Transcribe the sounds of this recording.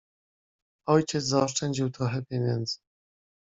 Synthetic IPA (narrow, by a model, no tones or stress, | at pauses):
ɔjt͡ɕɛt̪zaɔʂt͡ʂɛɲd͡ʑiwt̪ɾɔxɛpʲjeɲɛnd̪zɘ